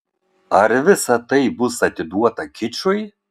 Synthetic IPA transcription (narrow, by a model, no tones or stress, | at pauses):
ɐɾʋʲɪsɐt̪ɐjbʊsɐt̪ʲɪd̪uɔt̪ɐkʲɪt͡ʃʊj